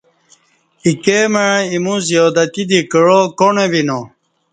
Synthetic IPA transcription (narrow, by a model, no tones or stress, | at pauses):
ikemeimũzijoːd̪at̪id̪ikəɻokoɳebino